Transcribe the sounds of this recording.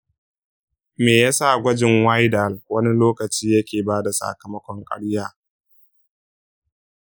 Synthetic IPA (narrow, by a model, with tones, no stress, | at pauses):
meː˨ja˦sa˦˨ɡʷɐ˦d͡ʒɪ˨ŋwa˦jda˨lwɐ˦ni˦loː˦kɐ˨t͡ʃiː˦jɐ˦kʲeː˨baː˦da˨sa̰˨kɐ˨mɐ˦kʷɔ˦ŋkʼɐ̰˦ɽjaː˦